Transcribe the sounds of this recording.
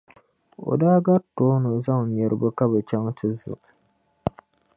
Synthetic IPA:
o̰˨daː˦ɡa˦toː˦nɨ˨za˦ŋ˨ɛ˨ɾʔɨ˨bɨ˦ka˦bɨ˨t͡ʃa˦ŋtʰɨ˦zʊ̰˨ʔ

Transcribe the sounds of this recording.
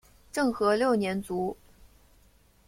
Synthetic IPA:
ʈ͡ʂɤ˥˩ŋxɤ˧˥ljo˥˩ʊnjɛ˧˥nt͡su˧˥

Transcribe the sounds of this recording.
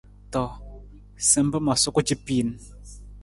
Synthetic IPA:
tɔ˨ | sɛ˨m̩˦bə˦ma˨su˦ku˦t͡ʃi˦pi˦˨n˦

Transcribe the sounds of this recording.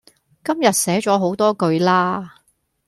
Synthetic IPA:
kɐ˥mjɐ˨t̚sɛː˨˥t͡ʃɔː˨˥ɦo˨˥wt̪ɔː˥kɵ˧ɥlaː˥

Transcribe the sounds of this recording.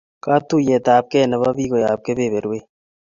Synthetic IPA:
ka˦t̪u˦jeː˨t̪aː˨p̚ke˦˨nɐ˨βa˦βiː˦ko˨jaː˨p̚ke˦be˨βe˨ɾe˦

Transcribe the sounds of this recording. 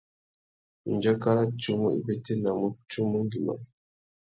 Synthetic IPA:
i˨nd͡ʒa˦ka˦ɾa˦t͡ʃu˦mu˦ḭ˨be˦te˦na˨mu˦t͡ʃu˦mu˦ŋɡi˨ma̰˨

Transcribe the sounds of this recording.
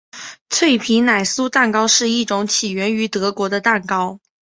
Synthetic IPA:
t͡sʰwe˥˩ɪpʰi˧˥na˨˩ɪsu˥t̪a˥˩nkɑ˥ʊʂɻ̩˥˧i˥˩ʈ͡ʂʊ˧˥ŋt͡ɕʰi˨˩ɥɛ˧˥ny˧˥t̪ɤ˧˥kwɔ˧˥d̪ə˧t̪a˥˩nkɑ˥ʊ

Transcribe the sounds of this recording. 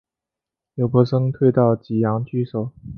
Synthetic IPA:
jo˧˩ʊpʰɔ˧˥ʂɤ˥ŋt̪ʰwe˥˧ɪt̪ɑ˥˩ʊt͡ɕi˨˩jɑ˧˥ŋt͡ɕy˥˩ʂo˨˩˦ʊ

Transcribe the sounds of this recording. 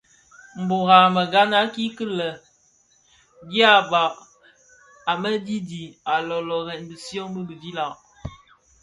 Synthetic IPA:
m̩˨bo˨ɣa˨mə˨ɡa˦na˦ki˦kə˦lə˨ | ɡi˦a˦ba˨ʔ | a˨mə˦di˦di˨a˨lɔ˨lɔ˨ɣɛ˨nbə˨sjɔ˦bə˦bə˨vi˦la˨ʔ

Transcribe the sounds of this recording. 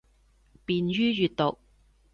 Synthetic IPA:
piː˧nɥyː˥jyː˨t̪̚t̪o˨k̚

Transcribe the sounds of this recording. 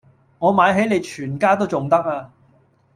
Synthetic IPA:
ŋɔː˨˧maː˨˧jɦe˨˥jne˨˧jt͡ʃʰyː˨˩nkaː˥t̪o˥wt͡sʊ˨ŋt̪ɐ˥k̚aː˧

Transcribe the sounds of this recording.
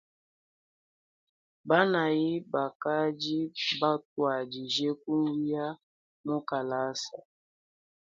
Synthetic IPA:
ba˦na˨ji˦ba˨ka˦d͡ʒi˦ba˦t̚wa˨d͡ʒi˨ʒe˦k̚u˦n˦wi˦a˦ | mu˦ka˨la˦sa˨

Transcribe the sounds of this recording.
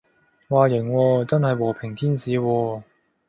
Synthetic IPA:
waː˨˩jɪ˨˩ŋwɔː˧t͡sɐ˥nhɐ˨jwɔː˨˩pʰɪ˨˩ŋt̪ʰiː˥nsiː˨˧wɔː˧

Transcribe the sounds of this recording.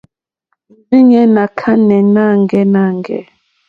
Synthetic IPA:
n̩˨zi˦ɲɛ˦na˨kʰa˦nɛ˨na˦ŋɡɛ˦na˦˨ŋɡɛ̰˦

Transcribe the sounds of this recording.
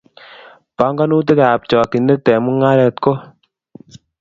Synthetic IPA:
pa˦ŋɡa˦nu˦t̬e˦ka˨a˨p̚t͡ʃɔ˨ki˨ne˦tɛ˨mu˦ŋa˦ɾɛ˨tko˦

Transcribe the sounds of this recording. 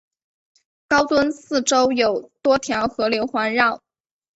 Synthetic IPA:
kɑ˥ʊt̪wə˥nsɹ̩˥˩ʈ͡ʂo˥ʊjo˨˩ʊt̪wɔ˥t̪ʰjɑ˧˥ʊxɤ˧˥ljo˧˥ʊxwa˧˥nɻɑ˥˩ʊ

